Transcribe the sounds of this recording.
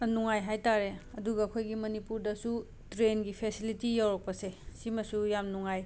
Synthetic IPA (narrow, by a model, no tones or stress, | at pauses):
nuŋajɦajtaɾeɐduɡɐːkʰojɡimɐnipuɾdɐsu | tɾenɡipʰesilitijawɾɐk̚pɐsesimɐsujamnuŋaj